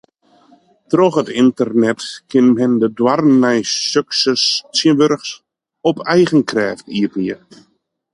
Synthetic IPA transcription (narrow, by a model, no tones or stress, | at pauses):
trɔxətɪntərnɛtkʰɪnɦɛndədwarnːɛjsøksəssiəənʋøɾxs | ɔpʰɛjɣənkrɛːftiətniə